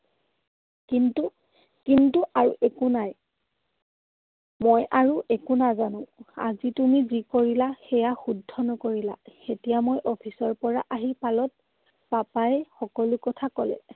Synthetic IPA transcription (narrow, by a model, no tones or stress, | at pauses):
kintu | kintuʔaɹṵʔɛkunaj | mojʔaɹuʔɛkunazanʊ̃a̰zitumizikoɹilaxɛjaxudʱːɔnɔkoɹila̰xetijamojʔɔpʰisɔɹpɔɹaʔaɦipalɔt̚ | papajɛxɔkɔlʊkɔtʰakɔlɛ̰